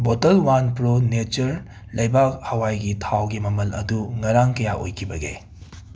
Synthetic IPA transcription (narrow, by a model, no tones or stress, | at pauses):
botɐlwanpɾonet͡ʃɐɾ | lʔɐjbak̚hɐwajɡitʰawɡimɐmɐlɐ̰duŋɐɾaŋkɐjaʔo̰jkʰibɐɡḛ